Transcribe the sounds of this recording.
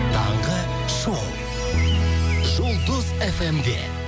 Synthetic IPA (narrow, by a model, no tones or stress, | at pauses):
t̪ʰɑɴʁə | ʃow̪ˠ | ʒolˠd̪ʊzefemd̪e̞̰